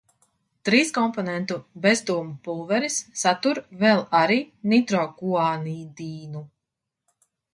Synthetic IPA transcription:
t̪ɾiːskɔmpɔnɛnt̪ubɛzd̪uɔmupulˠvɛɾisːat̪uɾvɛlˠaɾiːnit̪ɾɔɡuaːniːd̪iːnu

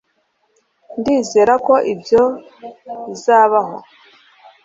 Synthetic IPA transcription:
ndiːzeːɾako̞ʔibjo̞ | βizaːβaɦo̞

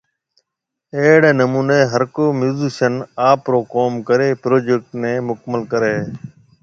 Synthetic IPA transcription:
eːɽeːnəmuːneːɦəɾkoːmuːziːʃənaːpɾoːkoːmkəɾeːpɾoːd͡ʒek̚ʈnẽːmʊkəməlkəɾeː

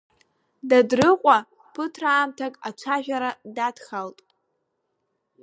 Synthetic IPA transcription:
dadrɨqʷʼa | pʰɨtʰraːmtʰakʼat͡ʃʷʰaʒᶣʷaɾadatχaltʼ

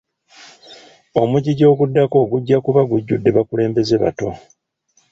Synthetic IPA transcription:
omuɟiɟo̞ːɡudːako̞ːɡuɟːakuβaɡuɟːudːe̞βakule̞ːmbe̞ze̞βa̰to̞

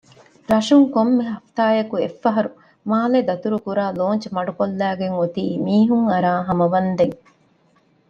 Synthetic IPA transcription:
ɾɐʃuŋkomːeɦɐft̪aːjɐkuefːɐɦɐɾu | maːled̪ɐt̪uɾukuɾaːloːnt͡ʃɐmɐɖukolːæːɡeŋot̪iːmiːɦuŋɐɾaːɦɐmɐʋɐnd̪eŋ

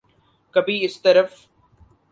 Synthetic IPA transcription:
kɐbʱiɪst̪ɐɾəf

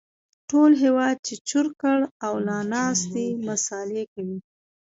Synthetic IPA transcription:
ʈolɦewɑd̪̚t͡ʃet͡ʃʊɾkəɽawlɑnɑst̪emasɑlekawi

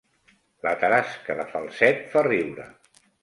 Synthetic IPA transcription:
lət̪əɾaskəðəfalˠsɛt̪fariwɾə̰

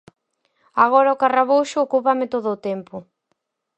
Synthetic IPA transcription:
aɣ̞ɔɾaʊkaraβowʃʊːkupamɪt̪oðʊːt̪ɛmpʊ

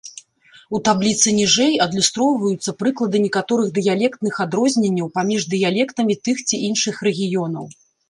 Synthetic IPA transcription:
ut̪ablʲit̪sɨnʲiʐɛjɐd̪lʲust̪ɾɔwvɐjut̪sːɐpɾɨklˠɐd̪ɨnʲɛkat̪ɔɾɨɣd̪ɨjalʲɛkt̪nɨxad̪ɾɔzʲnʲenʲːɐwpamʲiʐd̪ɨjalʲɛkt̪ɐmʲit̪ɨxt͡sʲiʔinʂɨxrɛɣʲijɔnɐ̰w

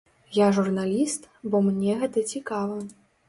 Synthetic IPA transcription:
jaʐurnalʲist̪bɔmnʲɛɣɛt̪ɐt͡sʲikavɐ

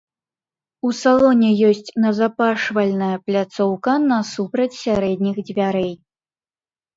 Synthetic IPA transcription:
usalˠɔnʲɛjɔsʲt͡sʲnɐzapaʂvɐlʲnɐjɐplʲat̪sɔwkɐnɐsupɾɐt͡sʲsʲaɾɛd̪ʲnʲixd͡zʲvʲaɾɛj

